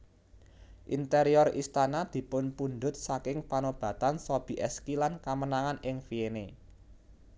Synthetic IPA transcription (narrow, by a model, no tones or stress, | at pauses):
ʔint̪eɾiɔrist̪anad̪̥i̤pʊnpund̪ʊt̪̚sakɪŋpanob̥a̤t̪ansob̥i̤ʔɛskilankamənaŋanɪŋfiene